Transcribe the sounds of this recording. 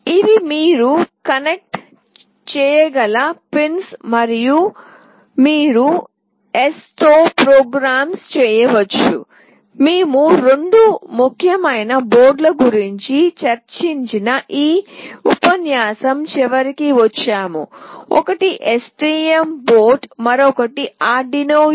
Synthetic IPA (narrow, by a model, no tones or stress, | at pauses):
iʋimiːɾukɐnek̚ʈ | t͡ʃɛːjɐɡɐlɐpinsmɐɾiju | miːɾu | est̪oːpɾoːɡɾaːmst͡ʃɛːjɐʋɐt͡ʃːṵ | miːmuɾeɳɖumukʰjɐmɐjnɐboːɾɖlɐɡuɾiɲt͡ʃit͡ʃɐɾt͡ʃiɲt͡ʃinɐʔiːupɐnjaːsɐmt͡ʃɛʋɐɾikiʋɐt͡ʃːaːmṵɔ̰kɐʈiʔesʈiːemboːʈmɐɾɔkɐʈiaːɖinoː